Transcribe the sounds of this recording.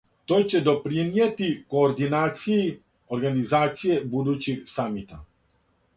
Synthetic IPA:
t̪o̞ːjt͡ɕe̞d̪o̞pɾinjet̪iko̞ːɾd̪inaːt̪siji | o̞ɾɡanizaːt̪sije̞bud̪ut͡ɕiɡsamit̪a

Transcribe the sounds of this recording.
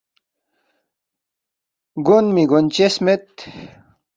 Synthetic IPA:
ɡunmiɡont͡ɕesmet̪

